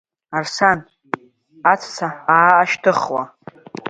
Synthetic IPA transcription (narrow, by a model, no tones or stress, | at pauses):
arsan | at͡sʰt͡sʰaaːʃtʰɨχwa